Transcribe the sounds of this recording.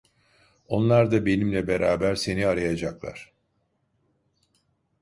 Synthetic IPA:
o̞nlˠaɾd̪abe̞nimlʲɛbeɾaːbæɾse̞niaɾajad͡ʒaklˠa̰ɾ̥

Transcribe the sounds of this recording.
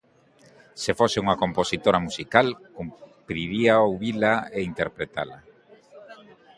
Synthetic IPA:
sefoseuŋɐkomposit̪oɾamusikalkumpɾiɾiaowβilaeint̪eɾpɾet̪a̰lɐ

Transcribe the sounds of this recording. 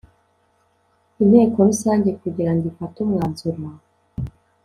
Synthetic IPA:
inheːkonusaːɲɟe̞kuɟiɾandifatumŋaːnzuɾwa

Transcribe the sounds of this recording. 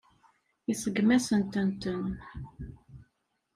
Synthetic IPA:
isəɡmæsənt̪ənt̪ən

